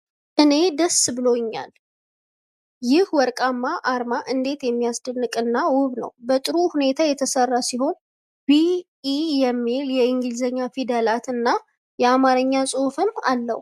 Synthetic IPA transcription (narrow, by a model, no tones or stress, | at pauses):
ʔɨne̞d̪əsːbɨlo̞ɲːa̰l | jɪhwɔɾkʼamːaʔaɾmaʔɨnd̪e̞t̪jɛmːijasd̪ənːɨkʼɨnːawʊβnə̰wbət̪ʼɨɾuhune̞t̪ʰajɛt̪ʰəsərːasiɦo̞n | bi | ijɛmːiljɛɪŋɡɨlzəɲːafid̪əlat̪ɨnːa | jɛamaɾɨɲːasʼofɨma̰lːə̰h